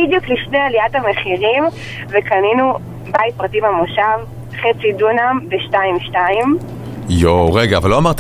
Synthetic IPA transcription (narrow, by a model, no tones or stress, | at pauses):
idjukliʃnealiatameχiʁim | vekaninu | bait̚pʁatimamoʃav | χet͡sidunambeʃtaimʃtaim | joʁeɡaːvalːoamaʁt̪